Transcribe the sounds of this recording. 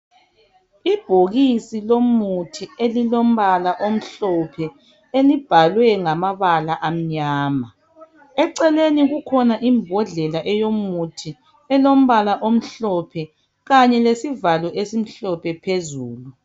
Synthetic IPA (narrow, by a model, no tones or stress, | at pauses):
ib̥ʱoɣisilomutʰielilom̩βalaʔom̩ɬɔpʰɛ | elib̥ʱalwɛŋamaβalaʔam̩ɲaːma | ɛǀɛleniɣukʰɔnaʔimbʱɔɮɛlaʔɛjomutʰi | ɛlom̩βalaʔom̩ɬɔpʰɛ | ɣaɲɛlesivalɔʔesim̩ɬɔpʰɛpʰezuːlu